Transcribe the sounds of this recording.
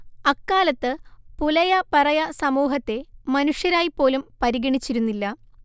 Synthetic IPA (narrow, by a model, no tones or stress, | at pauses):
ɐkːaːlɐt̪ːɨpulɐjɐpɐrɐjɐsɐmuːɦɐt̪ːe̞mɐnuʂjɐɾaːjipːo̞ːlumpɐɾiɣɐɳit͡ɕːiɾunːilːɐ